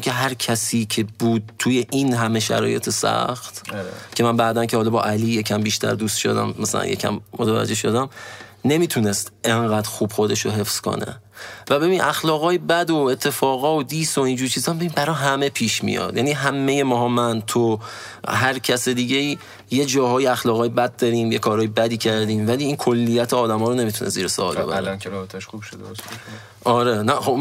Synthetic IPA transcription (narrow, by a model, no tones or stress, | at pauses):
kʲʰe̞ɦæɾcʰæsiːcʰebuːd̪̚t̪ʰːuːje̞ʔiːnɦæmeʃæ̰ɾɒ̰ːjet̪ʰesæ̰xt̪cʰemænbæːd̪æncʰehɒːlɒːbɒːʔæliːjecʰæmbiːʃt̪ʰæ̰ɾd̪ust̪ʃo̰d̪æ̰mːæsæ̰læ̰njecʰæ̰mːot̪ʰævæ̰d͡ʒe̞hʃod̪æmne̞miːt̪ʰune̞st̪e̞ŋɢæːd̪̥xuːb̥xo̞d̪e̞ʃoɦe̞fz̥kʰo̞̰nḛvæbe̞biːnʔæxlɒːɣɒːjebæd̪oet̪ʰːe̞fɒːɣɒːod̪iːsoind͡ʒuːɾt͡ʃʰiːzɒmbe̞binbæɾɒːɦæme̞pʰiːʃmḭjɒ̰d̪̥jæniːɦæme̞jemɒːɦɒːmænt̪ʰo | ɦæɾcʰæsed̪iːɟeiː | jed͡ʒɒːhɒːjiæxlɒːɣɒːjebæd̪̚d̪ɒɾiːmjekʰɒːɾɒːjebæd̪iːcʰæɾd̪iːmvæliːiːnkʰolːijæt̪ʰeɒːd̪æmɒːɾone̞mit̪ʰunesziːɾeso̰lbḛbæ̰ɾeɾɔːbet̪ʰæʃubʃod̪es | ʔɒɾenæxo